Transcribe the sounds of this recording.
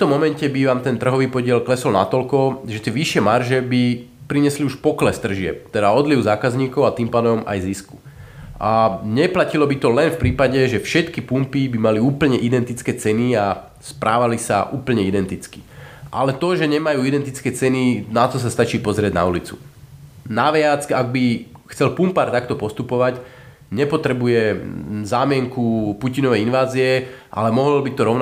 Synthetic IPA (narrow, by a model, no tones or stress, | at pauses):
t̪ɔmɔmɛncɛbiʋaːmt̪ɛnt̪r̩ɦɔʋiːpɔɟɪɛlklɛsɔlnat̪ɔʎkɔʒɛt̪ɪɛʋiʃɪɛmarʒɛbi | pɾiɲɛsliuʃpɔklɛst̪r̩ʒɪɛ̰p̚t̪ɛd̪aɔd̪liʊzaːkazɲiːkɔʊat̪iːmpaːd̪ɔma̰jzisku̥ | aɲɛplacilɔbit̪ɔlɛnfpɾiːpaɟɛʒɛfʃɛt̪kipumpibimaliuːpl̩ɲɛʔid̪ɛnt̪it͡skɛːt͡sɛnia | spɾʔaːʋalisa̰ʔuːpl̩ɲɛid̪ɛnt̪it͡skiʔa̰lɛt̪ɔʒɛɲɛmajuːid̪ɛnt̪it͡skɛːt͡sɛninat̪ɔs̬ast̪at͡ʃiːpɔzɾɪɛɟna̰ulit͡sṵ | naʋɪat͡saɡ̚bixt͡sɛlpumpaːɾt̪akt̪ɔpɔst̪upɔʋac | ɲɛpɔt̪ɾɛbujɛzaːmɪɛŋkupucinɔʋɛjinʋaːziɛʔa̰lɛmɔɦɔlbit̪ɔɾɔʊn